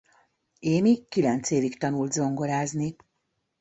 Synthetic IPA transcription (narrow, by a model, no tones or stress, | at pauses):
eːmikkilɛnt̪seːvikt̪ɒnuld̪zo̞ŋɡo̞laːzni